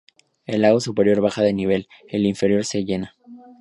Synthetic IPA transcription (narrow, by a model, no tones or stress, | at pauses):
e̞laɣosupe̞ɾjo̞ɾβaxaðe̞niβ̞e̞l | e̞liɱfe̞ɾjo̞ɾse̞ʝe̞na